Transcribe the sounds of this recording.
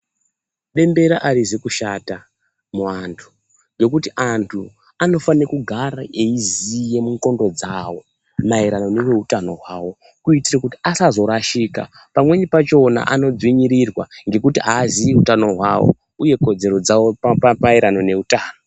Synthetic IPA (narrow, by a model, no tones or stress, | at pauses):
ɗe̞mbe̞ɾaʔaɾizekuʃata | muantʰu̥ | ŋɡe̞kutiʔantʰu | ano̞fanekuɡʱaɾaʔeizije̞muŋko̞ndo̞d͡zawo̞ | maiɾano̞ne̞weutano̞̰ɦwaːwo̞ | kuitirakutiasazo̞ɾaʃiːka̰ | pamwe̞ɲipat͡ʃo̞na̰ʔano̞d͡zwiɲiɾirwa̰ŋɡe̞kutiaːziiutano̞ɦwawo̞̰ | uje̞ko̞d͡ze̞ɾo̞d͡zawopapapaiɾano̞ne̞utaːno